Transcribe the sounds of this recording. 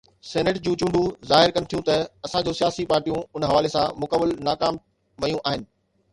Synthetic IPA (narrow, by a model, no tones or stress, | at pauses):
sɛːneʈd͡ʑũːt͡ɕũɳɖũzaːɦɪɾkɐnɪt̪ʰijũt̪ɐɐsãd͡ʑoːsijaːsipaːɾʈijũʊnɦɐʋaːlesãmʊkəbɪlnaːkaːm | ʋɐjũʔaːɦɪnɪ̆